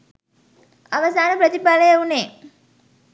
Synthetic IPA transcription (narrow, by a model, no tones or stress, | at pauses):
aʋɐsaːnəpɾət̪ipbaləjeuneː